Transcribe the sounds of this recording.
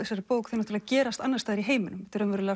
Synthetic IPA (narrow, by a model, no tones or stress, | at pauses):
ɪsːaɾɪpoːwkθinat̪ʰːlacɛːɾast̪anːaɾst̪aːðɾiɦeːjmɪnʏmɛt̪ɪɾœnvɛɾʏlɛ